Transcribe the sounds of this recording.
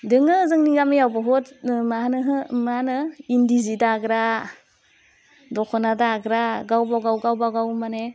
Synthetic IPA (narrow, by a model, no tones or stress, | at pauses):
dɯŋɯzɯŋniɡamijawbaɦɔtmanɯɦmanɯindizidaːɡɾa | dɔkʰɔnadaːɡɾaɡawbawɡawɡawbawɡawmane